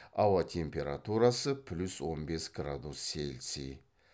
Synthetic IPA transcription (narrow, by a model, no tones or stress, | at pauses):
ɑwɑt̪ʲʰe̞mpʲe̞ɾat̪uɾasəpʰlʲuswo̞nbe̞sɡrad̪usːelsḭj